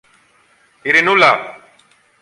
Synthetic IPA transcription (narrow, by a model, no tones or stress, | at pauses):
iɾinula